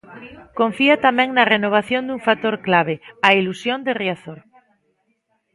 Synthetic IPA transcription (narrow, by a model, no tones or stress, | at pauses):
kõɱfiat̪amɛ̃ŋnɐrenoβ̞aθjond̪uŋfat̪oɾklaβ̞eailusjond̪ereaθoɾ